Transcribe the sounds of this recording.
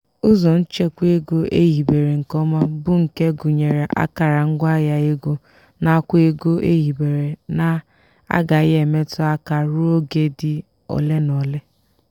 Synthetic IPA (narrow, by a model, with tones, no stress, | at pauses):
ʊ˦zɔ˨n̩˦t͡ʃe˦kʷe˦ɡo˦ʔḛ˦ɦi˨be˨ɾe˨ŋ̩˨kɔ˦ma˦bʊ˦ŋ̩˨ke˦ɡʊ˨ɲe˨ɾe˨ʔa̰˦ka˨ɾa˨ŋ̩˦ɡʷa˦ja˨e˦ɡo˦ | na˨a˦kʷe˦ɡo˦ʔe˦ɦi˨be˨ɾe˨na˨ | a̰˦ɡa˨˦ɣe˨me˦tʊ˦a˦ka˨ɾʊ˦o˦ɡe˦dɪ˨ | ɔ̰˨le˦nɔ˨le˦